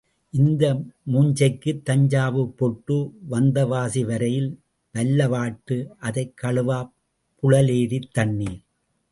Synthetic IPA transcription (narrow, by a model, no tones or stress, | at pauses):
ʔɪnd̪ɐmuːɲd͡ʒɐɪkːɯt̪ːɐɲd͡ʒaːʋɯpːɔʈːɯʋɐnd̪ɐʋaːsiʋɐɾɐjɪl | ʋɐlːɐʋaːʈːɯʔɐðɐɪkʰːɐɭɯʋaː | pʊɻɐleːɾit̪ːɐnːiːɾ